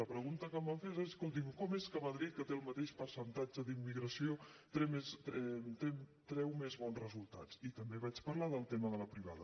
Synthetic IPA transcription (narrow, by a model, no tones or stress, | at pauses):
əpɾəɣunt̪əkəmbaɱfezeeskolˠt̪̬imkɔmeskəməðɾit̪̚kət̪eəlˠmət̪eʃpəɾsənt̪ad͡ʒəðimːiɣɾəsiot̪ɾɛmesɛt̪emt̪ɾɛwmezβɔnzrəzulˠt̪a̰t͡sit̪əmbeβ̞at͡ʃpəɾlaðəlˠt̪eməðələpɾiβa̰ðə